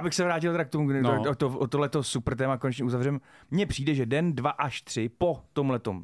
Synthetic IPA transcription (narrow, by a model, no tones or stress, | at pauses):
jabɪxsɛvɾaːcɪlˠt̪ɛɾak̚t̪omuot̪oʔot̪oɦlɛt̪osupr̩t̪ɛːmakonɛt͡ʃɲɛuzavrɛm | mɲɛpr̥iːdɛʒɛdɛndvaʔaʃt̪r̝̥ɪpo̞t̪o̞mlɛt̪om